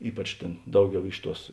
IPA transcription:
ˈiːpɐt͡ʃ ˈtʲeːn ˈdɐʊˌɡʲɛʊ ˈɪʃ ˌtuɔs

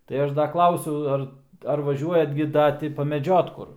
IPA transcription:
tɐɪ ˈɐʃ ˈdɐ ˈklˠɐʊsʲɛʊ ˈɐr ɐr ʋɐˈʒʲuɔjɛt ɡʲɪ ˈdɐ ˈtʲɪ pɐmʲɛˈd͡ʒʲoːt ˈkʊr

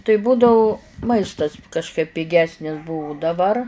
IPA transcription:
tɐɪ ˈbuːdɐʋʊ ˈmɐɪstɐs kɐʃˈkɐɪp pʲɪˈɡʲæːsʲnʲɪs ˈbʊʋʊ dɐˈbɐr

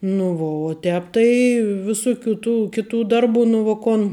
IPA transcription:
nʊ ˈʋoː oː ˈtʲɛːp tɐɪ ʋʲɪˈsʊˌkʲuː tuː ˈkʲɪˌtuː ˈdɐrˌbuː nʊ ʋoː ˈkoːn

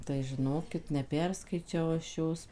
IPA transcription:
tɐɪ ʒʲɪˈnoːkʲɪt nʲɛˈpʲɛrskɐɪt͡ʃʲɛʊ ɐʃ ˈjoːs

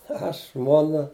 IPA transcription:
ˈɐʃ ˈʒmuɔnɐ

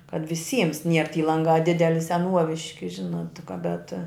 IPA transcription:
kɐt ʋʲɪˈsʲiːms nʲiɛr tʲiː ˈlˠɐŋɡɑː ˈdʲɪdʲɛlʲɪ sʲɛˈnuɔʋʲɪʃʲkʲɪ ˈʒʲɪnoːt tʲɪ kɐ bʲɛt

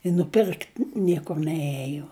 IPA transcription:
ɪ nʊˈpʲɪrkt ˈnʲiɛkʊr nʲɛˈeːjoː

